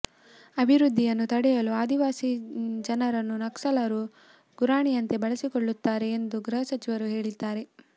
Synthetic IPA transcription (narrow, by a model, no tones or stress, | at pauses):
ɐbʱiɾud̪ʱːijɐnːut̪ɐɽɛjɐluaːd̪iʋaːsid͡ʒɐnɐɾɐnːunɐksɐlɐɾu | ɡ̥uɾaːɳijɐnt̪e̞bɐɭɐsikoɭːut̪ːaːɾe̞ːnd̪uɡɾɐɦɐsɐt͡ʃiʋɐɾuɦe̞ːɭid̪ːaːɾe̞